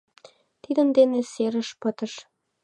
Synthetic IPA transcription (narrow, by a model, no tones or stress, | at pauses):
t̪id̪ənd̪eneseɾəʃpət̪əʃ